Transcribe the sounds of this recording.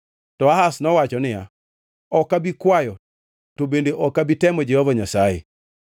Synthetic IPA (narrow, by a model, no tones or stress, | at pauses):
tɔahasnɔwat͡ʃɔnɪja̰ | ɔkabikwajɔ | tobendeʔɔkabitɛmɔd͡ʒɛhɔvaɲasajḛ